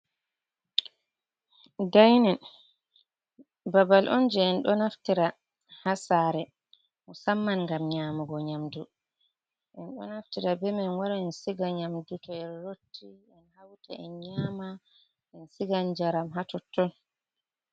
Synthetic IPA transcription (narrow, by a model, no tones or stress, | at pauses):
dajnɛn | babalʔɔ̰nd͡ʒɛɛnɗɔnaftiɾa | hasaɾɛ | musamːanŋɡamɲamuɡɔɲamdu | ʔɛnɗɔ̰naftiɾabɛmanwaɾaɛnsiɡaɲamdutɔɛnɾotʰːi | ɛnhawta̰ʔɛnɲama | ɛnsiɡand͡ʒaɾamɦatɔtːɔn